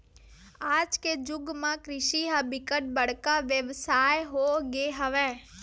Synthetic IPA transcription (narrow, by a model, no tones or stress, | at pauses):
aːd͡ʒked͡ʒʊɡmãkɾɪʃiɦəbɪkəʈ̚bəɽ̤kaʋjəʋsaːjɦoɡeɦəʋɛ̃ː